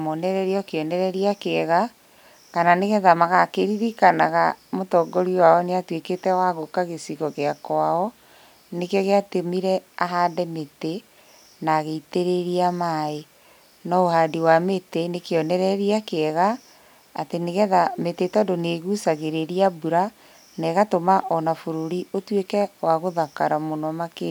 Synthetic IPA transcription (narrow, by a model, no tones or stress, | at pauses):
monɛɾɛɾiɔkeɔnɛɾɛɾiakeɛɣa | kananeɣɛðamaɣakeɾiɾikanaɣamotɔɡɔɾiwaɔneatweketɛwaɣokaɣesiɣɔɣeakwaɔ | nekjɔɣeatemiɾɛaɦaːdɛmete | naɣeiteɾeɾiamae | nɔohadiwametenekeɔnɛɾɛɾiakeɛɣaː | teneɣɛðametetɔdoneɣusaɣeɾeɾiabuɾa | nɛɣatomaʔɔnafoɾoɾiotwekɛwaɣoðakaɾamonɔmake